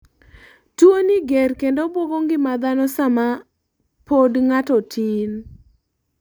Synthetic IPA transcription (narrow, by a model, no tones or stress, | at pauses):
tuoniɡeɾkendobwoɡoŋɡɪmad̪anɔsama | podŋatɔtʰin